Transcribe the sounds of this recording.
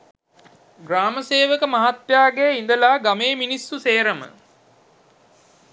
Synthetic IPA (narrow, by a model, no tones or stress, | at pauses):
ɡraːməseːʋəkəmaɦat̪jaːɡeind̪əlaːɡameːminisːuseːɾəmə̰